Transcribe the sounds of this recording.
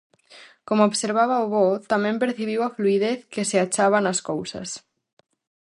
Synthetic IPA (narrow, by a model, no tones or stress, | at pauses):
komooβseɾβ̞aβaoβot̪amjẽmpeɾθiβ̞iwafluið̞eθkeseat͡ʃaβ̞anaskowsa̰s